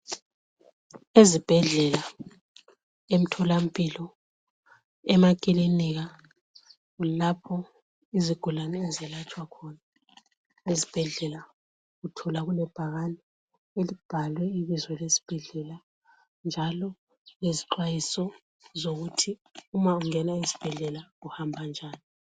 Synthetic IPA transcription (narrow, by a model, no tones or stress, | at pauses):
ezib̥ʱɛɮɛla | em̩tʰɔlam̩pʼilɔ | ɛmakʼiliniɣa | ulapʰɔ | iziɡ̥ʱulanɛɛzɛlat͡ʃʼwakʰɔna | lezib̥ʱɛɮɛla | ɣutʰɔlaɣulɛb̥ʱaɣanɛ | elib̥ʱalwɛiβizwɛlesi̥b̥ʱɛɮɛla | nd͡ʒʱalɔ | leziǃwajisɔ | zoɣutʰiumauŋɛnaizi̥b̥ʱɛɮɛlaɣuhambʱand͡ʒʱaːni